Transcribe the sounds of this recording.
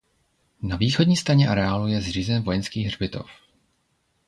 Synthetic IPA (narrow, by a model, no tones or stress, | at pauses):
naviːxodɲiːst̪ɾaɲɛʔaɾɛaːlujɛzriːzɛnvo̞jɛnskiːɣrbɪt̪o̞̰f